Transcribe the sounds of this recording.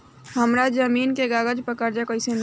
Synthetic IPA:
ɦəmɾad͡ʒəmiːnkeɡaːɡəd͡ʒpəkəɾd͡ʒakəɪsen

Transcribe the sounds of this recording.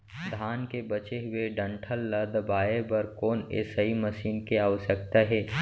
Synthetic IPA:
d̪ʱaːnkebɐt͡ʃeɦʊeɖə̃ɳʈʰəlːɐd̪baːebɐɾkoːnḛsəɦimɐʃiːnkeaːʋəʃək̚t̪aɦɛː

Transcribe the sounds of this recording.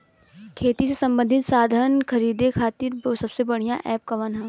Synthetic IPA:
kʰeːt̪isesɐ̃mbə̃nd̪ʱɪt̪saːd̪ʱənkʰɐɾiːd̪ekʰaːt̪iɾsɐbsebɐɽ̤ijãʔɛːp̚kɐʋɐnɦɛ̃ː

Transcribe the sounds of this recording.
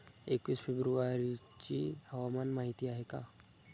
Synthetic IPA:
ekʋiːsfebɾuʋaɾit͡ɕihəʋamanmaɦit̪iːaɦeka̰

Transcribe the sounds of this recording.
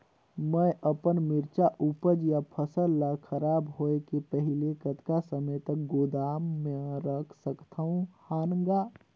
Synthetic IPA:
məʔəpənmɪɾt͡ʃaʔupəd͡ʒjapʰəsəlːakʰəɾaːbɦoekepəɦilekət̪kasəməjt̪ək̚ɡod̪aːmːẽɾəkʰsəkt̪ʰaɦũhaːnəŋɡa

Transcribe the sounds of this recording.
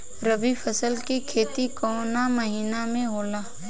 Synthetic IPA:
ɾəbifʰəsəlkikʰeːt̪ikɔːnamɐɦiːnamẽɦoːlaː

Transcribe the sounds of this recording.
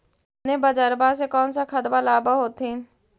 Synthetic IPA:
nẽːbəd͡ʒəɾbaːs̬ekɔːnsakʰət̪baːlaːbaɦoːt̪in

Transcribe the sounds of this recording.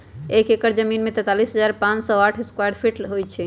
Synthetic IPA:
ekekəɾd͡ʒəminmet̪ɛt̪alisɦəd͡ʒaɾpãt͡ʃsɔaʈʰeskwajɖpʰiʈlɦojt͡ʃʰɛ

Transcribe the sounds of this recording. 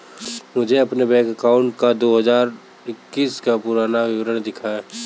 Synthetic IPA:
mʊd͡ʒʱeɐpnebɛːkəkaːʊ̃ɳʈkad̪oːɦɐzaːɾ | ɪkːiːskapʊɾaːnaʋɪʋɾəɽ̃d̪ɪkʰaẽ

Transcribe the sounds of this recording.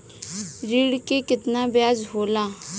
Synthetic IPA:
ɾiːɽkekɪt̪naːbɪjaːd͡ʒɦoːlaː

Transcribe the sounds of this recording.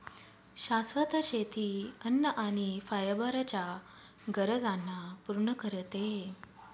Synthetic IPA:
ɕasʋət̪əɕet̪ʰiənːəʔañifajəbəɾat͡ɕja | ɡəɾəd͡zanːapuɾɳəkəɾət̪e

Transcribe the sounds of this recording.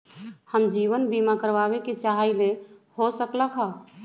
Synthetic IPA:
həmd͡ʒiʋənbimakəɾbabeket͡ʃaɦailehosəkləkɦə

